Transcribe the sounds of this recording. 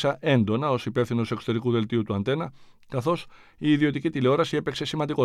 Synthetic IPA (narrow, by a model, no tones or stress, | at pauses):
sɐʔe̞nd̪o̞nɐo̞sipe̞fθino̞se̞ksot̪e̞ɾikuðe̞lt̪iut̪uɐnθe̞nɐ | kɐθo̞s | iːðio̞t̪icit̪ile̞o̞ɾɐsie̞pe̞kse̞simɐnd̪iko̞